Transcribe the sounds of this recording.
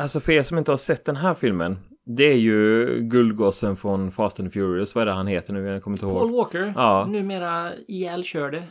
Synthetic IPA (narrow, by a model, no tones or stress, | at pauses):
alsɔfeːlsɔmɪnt̪əhɑɾʂɛt̪̚ːd̪ɛnɦæːɾfɪlmən | d̪ɛæɾjɵɡɵld̪̚ɡɔsənfɾɔnfɑːst̪ɛnfjuːɾɪʊsvaɛɖɛhanheːt̪əɳʉːkʰɔmːɪnt̪əhoːɡolʋɔːkəɾʔɑːnʉːmeːɾaɪɛlɕøːɖɛ